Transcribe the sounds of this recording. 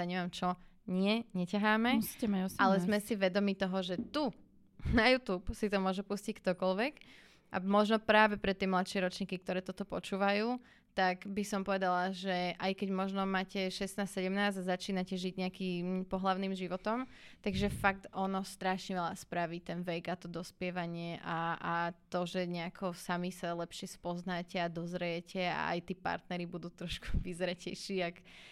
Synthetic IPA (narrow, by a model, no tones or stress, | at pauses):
aɲɛʋamt͡ʃɔɲɪɛɲɛcaɦaːmɛsi̥cɛmaɔsalɛzmɛsiʋɛd̪ɔmit̪ɔɦɔʒɛt̪u | najuːt̪uːpsit̪ɔmʊɔʒɛpuscick̚t̪ɔkɔlʋɛk | ʔa̰mɔʒnɔpɾaːʋɛpɾɛt̪ːiɛmlat̪ʃɪɛɾɔtt͡ʃɲiːkik̚t̪ɔɾɛːt̪ɔt̪ɔpɔt͡ʃuːʋajuː | t̪aɡbisɔmpɔʋɛd̪alaʒɛʔajkɛɟmɔʒnɔmaːcɛʃɛst̪naːstsɛɟɛmnaːzazat͡ʃiːnacɛʒiɟɲɛakipɔɦlaʊniːmʒiʋɔt̪ɔmt̪aɡʒɛfak̚t̪ɔnɔst̪ɾaʃɲɛʋɛʎaspɾaʋit̪ɛnʋɛjɡat̪ɔd̪ɔspɪɛʋaɲɪɛʔaat̪ɔʒɛɲɛakʰɔsamisalɛpʃɪɛspɔznacɛad̪ɔzɾɛjɛcʰɛa̰a̰jt̪iːpa̰ɾt̪nɛɾibud̪uːt̪ɾɔʃku̥ʋizɾɛcɛjʃiːak